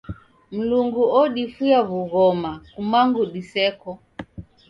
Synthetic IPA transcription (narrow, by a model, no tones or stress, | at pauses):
m̩luŋɡuɔɗifujaβuɣɔmakumaŋɡuɗisɛkɔ